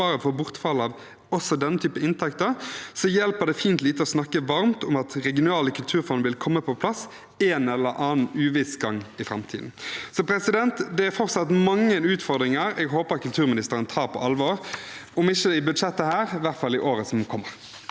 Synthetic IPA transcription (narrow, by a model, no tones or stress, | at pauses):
ɑːɾəfɔbʊʁt̪fɑlːəɑʋ | ɔsɔd̪ɛnːət̪ʰyːpəɪnt̪ʰɛkt̪əʁsɔjɛlpəd̪ɛfiːnt̪liːt̪əɔsnɑkːəʋɑɾmt̪ʊmɑt̪ʁɛɡɪʊnɑːləkʰʉlt̪ʰʉːɾfɔnʋɪlkʰɔmːəpʰɔpʰlɑs | eːnɛlːəɾʔɑːnnʉːʋɪsɡɑŋːɪfɾɑ̰mt̪ʰḭːd̪n̩sɔpʰɾɛsɪd̪ɛnt̪d̪ɛæɾfɔʁt̪sɑt̪mɑŋːənʉːt̪fɔʁd̪ɾɪŋəɾɛɡɦoːpəʁɑt̪kʰʉlt̪ʰʉːʁmɪnɪst̪əɾənt̪ʰɑːɾpʰɔ̰ɑlʋoːʁɔmɪçəɪbʉd̪ʂɛt̪ːəhæːʁʋæʁt̪fɑlːɪʔoːɾəsɔmkʰɔmːəʁ